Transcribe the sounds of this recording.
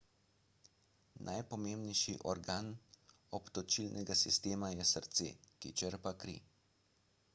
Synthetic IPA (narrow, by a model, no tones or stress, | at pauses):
nʔajpɔmeːmbnɛjʃiʔɔɾɡaːn | ɔpt̪ɔt͡ʃilnʔɛɡasist̪eːmajɛsəɾt̪sḛːkḭt͡ʃəɾpakɾḭː